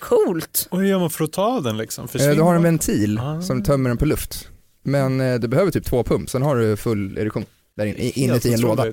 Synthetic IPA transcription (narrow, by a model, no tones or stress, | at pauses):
kʰuːlt̪ɔhɵjœːɾmanfœɾɔt̪ʰɑːvd̪ɛnlɪksɔ̰mfœd̪ɵɦaɾɛnvɛnt̪ʰiːlsɔmt̪ʰœmːəɖɛnpʰɔlɵft̪ | mɛnd̪ɵbɛhøːvəʈʰyːp̚t̪ʰvoːpʰɵmpsɛnɦaɖɵfɵlːɛ̰d̪ɵkɧuːn | d̪æɾɪnːə̰ʔɪnːət̪ɪɛnloːd̪a